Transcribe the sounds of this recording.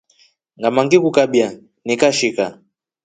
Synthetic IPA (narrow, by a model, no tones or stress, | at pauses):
ŋɡamaŋɡikukabja | nikaʃika